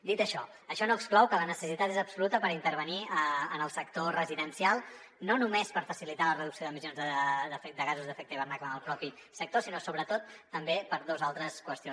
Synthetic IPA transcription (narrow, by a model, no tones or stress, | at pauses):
d̪it̪əʃɔ | əʃɔnoəksklɔwkələnəsəsit̪at̪ezəbsulut̪əpəɾint̪əɾβəniənəlˠsəkt̪orəziðənsialˠ | nonumespəɾfəsilit̪alərəðuksioðəmizjonzðəd̪əfɛd̪əɣazuzðəfɛkt̪əiβərnaklənəlˠpɾɔpi | sək̚t̪osinosoβɾət̪ot̪ːəmbepəɾðozalˠt̪ɾəskwəst̪io